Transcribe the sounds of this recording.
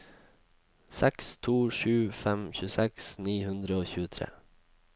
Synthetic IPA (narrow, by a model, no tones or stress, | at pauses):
sɛkst̪ʰuːʃʉːfɛmçʉːsɛksniːhʉnd̪ɾəoːçʉːət̪ʰɾḛː